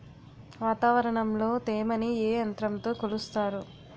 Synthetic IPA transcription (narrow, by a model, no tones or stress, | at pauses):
ʋaːt̪aːʋɐɾɐɳɐmlo̞ːt̪eːmɐnieːɐnt̪ɾɐmt̪o̞ːkolust̪aːɾu